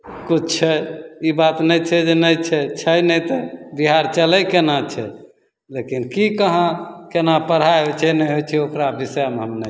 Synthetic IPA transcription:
kut͡ʃt͡ʃʰɛibat̪nɛjt͡ʃʰɛd͡ʒenəjt͡ʃʰɛt͡ʃʰɛjnɛjt̪ɔbiɦaɾt͡ʃələjkenat͡ʃʰɛ | lekinkikəɦãkenapəɽ̤aɦojt͡ʃʰɛnɛɦojt͡ʃʰɛokɾabismeɦəmne

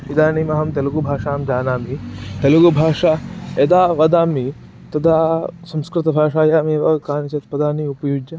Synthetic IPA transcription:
id̪aːnimɐɦɐmt̪ɐluɡubʱaːʂaːmd͡ʒaːnaːmit̪ɐluɡubʱaːʂaed̪aːʋɐd̪aːmi | t̪ɐd̪aːsɐ̃mskɾɪt̪ɐbʱaːʂaːjaːmeːʋɐkaːnit͡ʃɐt̪pɐd̪aːniupɐjud͡ʒjɐ

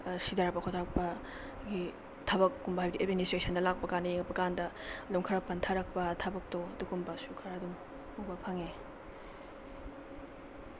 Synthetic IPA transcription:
sidaɾɐk̚pɐkʰotʰaɾɐk̚pɐ | ɡi | tʰabɐkːumbɐɦajbɐdiʔet̚ministɾesɐndɐlak̚pɐkanɐjeŋpɐkandɐloŋkʰaɾɐk̚pɐntʰaɾɐk̚pɐtʰabɐk̚toɐduɡumbɐsukʰaɾadum | ubɐpʰaŋe

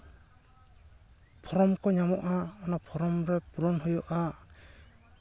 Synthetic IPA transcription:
pʰɔɾɔmkʰɔɲamɔʔaɔnapʰɔɾɔmɾɛpuɾɔnhɔjɔʔa

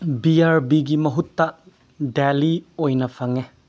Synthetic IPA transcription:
biaɾbiɡimɐɦutːɐ | deliojnɐpʰɐŋe

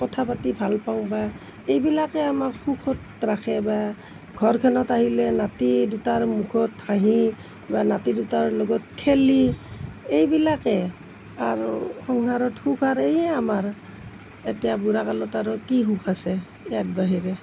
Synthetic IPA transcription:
kɔtʰapatibʱalpaw̃ba | ejbilakɛamakhukʰɔt | ɹakʰɛba | ɡʱɔɹkʰɛnɔtaɦilɛnatidutaɹmukʰɔtʰaɦĩ | banatidutaɹlɔɡɔtkʰeli | ejbilakɛ | aɹxɔŋkaɹɔthukʰaɹejɛamaɹ | etɛjabuɹakalɔtaɹɔkiɦukʰasɛ | ɛjat̚baɦiɹɛ

